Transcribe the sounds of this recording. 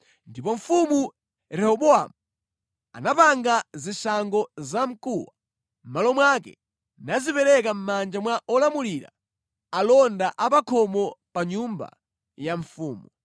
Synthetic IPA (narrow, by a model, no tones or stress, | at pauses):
ndipɔɱfumu | ɾɛhɔɓɔa̰mu | anapaŋɡazisaŋɡɔzam̩kuwa | m̩malɔmwakɛ̰ | nazipɛɾɛk̬am̩mand͡ʒamwaʔɔlamuliɾa̰ | alɔndaʔapakʰɔmɔpaɲumba̰ | jaɱfuːmu